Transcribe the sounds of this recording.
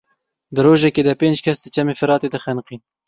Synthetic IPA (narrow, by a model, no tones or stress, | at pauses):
d̪ɨɾoːʒɛkeːd̪ɛpeːnd͡ʒkʰɐsd̪ət͡ʃɐmeːfɨɾɑːt̪ed̪ɨxɨnqin